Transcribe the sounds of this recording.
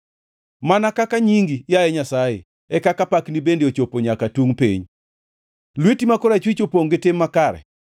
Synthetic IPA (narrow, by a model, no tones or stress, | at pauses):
manakakaɲiŋɡijajɛɲasajɪ̰ | ɛkakapaknibendeot͡ʃopoɲakatuŋpḛɲ | lwetimakoɾat͡ʃwit͡ʃopoŋɡɪtɪmːakaɾɛ̰